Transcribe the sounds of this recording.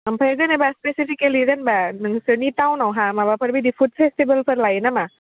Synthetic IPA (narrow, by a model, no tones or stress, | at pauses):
mpʰeɾzanebaspesipʰikelizənbanŋsəniʈawnawɦãmabapʰəɾbid̪ipʰud̚pʰesʈibəlpʰəɾlajnama